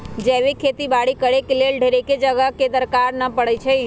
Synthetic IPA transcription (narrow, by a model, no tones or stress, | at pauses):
d͡ʒɛːʋekʰet̪ibaɽikəɽekelelɖʱeɾeked͡ʒəɡəɦked̪əɾkaɾnəpəɽət͡ʃʰəi